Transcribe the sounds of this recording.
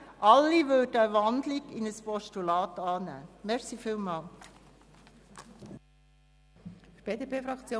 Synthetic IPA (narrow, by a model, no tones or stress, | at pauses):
ʔɑlːiʋøldəəʋɑndlikɪnəspɔʃtulɑːtɑːnæ̰ːmɛɾsifiːlmɑːl | b̥eːdepʰeːfɾɑkt͡sjoː